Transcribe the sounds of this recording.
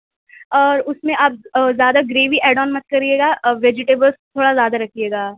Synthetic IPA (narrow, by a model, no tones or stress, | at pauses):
ɔːɾʊsmẽʔaːp̚zjaːd̪aɡɾeːʋiʔɛːɖɔːnmɐt̪̚kɐɾieːɡaːʋeːd͡ʒɪʈeːbəlst̪ʰoːɽazjaːd̪aɾɐkʰieːɡaː